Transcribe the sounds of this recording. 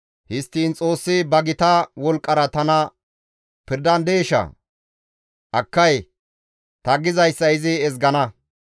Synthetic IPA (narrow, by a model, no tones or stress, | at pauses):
hɪst̪ːiːnt͡sʼo̞ːsːɪbɐɡɪt̪ɐwɔlkʼːɐɾɐt̪ɐnɐ | pɪɾd̪ɐnd̪e̞ːʃɐ̰ | ʔɐkːɐj | t̪ɐɡɪzɐjsːɐɪzɪɛzɡɐnɐ